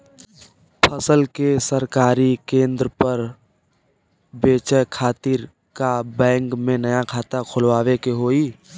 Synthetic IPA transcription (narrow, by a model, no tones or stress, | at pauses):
pʰəsəlkesəɾkaːɾikẽːnd̪ɾəpəɾ | beːt͡ʃəkʰaːt̪ɪɾ | kabɛ̃ːŋkmẽnəjakʰaːt̪akʰʊlʋaːwekeɦoːiː